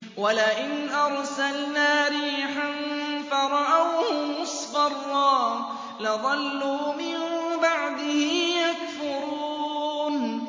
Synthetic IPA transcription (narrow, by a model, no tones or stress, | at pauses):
walaʔɪnʔɑɾˤsalnaːɾiːħanfɑɾˤɑʔawhʊmʊsˤfɑrˤːɑː | lɪðˤɑlːuːmɪmbaʕd̪ɪhɪjakfʊɾuːn